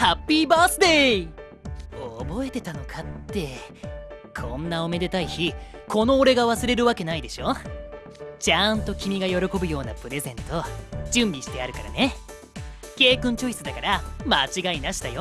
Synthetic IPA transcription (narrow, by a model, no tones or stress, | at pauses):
hapʲːiːbaːsɨd̪e̞ | obo̞e̞t̪e̞t̪ano̞kʰat̪ːe̞ | kʰõ̞nːao̞me̞d̪e̞t̪aiçikʰo̞no̞ːɾe̞ɡaβasɨɾe̞ɾɯ̟βake̞naid̪e̞ɕo̞ | t͡ɕant̪o̞kʲimʲiɡajo̞ɾo̞ko̞bɯ̟jo̞ːnapɯ̟ɾe̞zẽ̞nt̪o̞d͡ʑɨ̃mbʲiɕi̥t̪e̞aɾɯ̟kaɾa̰ne̞ | ke̞ːkɯ̟̃ɲ̟t͡ɕo̞i̥sɨd̪akaɾamat͡ɕiɡainaɕi̥t̪ajo̞